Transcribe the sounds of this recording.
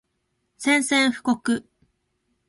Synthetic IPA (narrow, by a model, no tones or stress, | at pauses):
sẽ̞ɰ̃sẽɰ̃ɸɯ̟̥ko̞kɯ